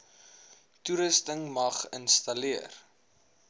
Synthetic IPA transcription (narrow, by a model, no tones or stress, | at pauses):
tuɾəstəŋmɐχənstɐliər